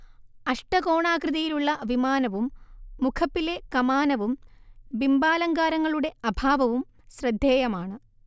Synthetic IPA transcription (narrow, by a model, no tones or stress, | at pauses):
ɐʂʈɐko̞ːɳaːkrɨðɐjiluɭːɐʋimaːnɐʋumːukʰɐpːile̞kɐmaːnɐʋumbimbaːlɐŋɡaːɾɐŋːɐɭuɽe̞ɐbʱaːʋɐʋum | ɕrɐd̪ʱːjeːjɐmaːɳɨ